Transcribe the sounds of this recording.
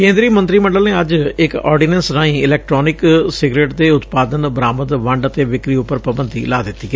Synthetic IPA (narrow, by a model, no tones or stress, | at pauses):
kẽːnd̪ɾiːmə̃nt̪ɾiːmə̃ɳɖəlneːəd͡ʒɪkɔ̰ːɾɖiːnə̃nsɾaːĩːɪlɛːk̚ʈɾoːnɪksɪɡɾeːʈt̪eːʊt̪paːd̪ənbɾaːməd̪ʋəɳɖət̪eːʋɪkɾiːʊpːəɾpɾəbənd̪ḭːlaːd̪ɪt̪ːiː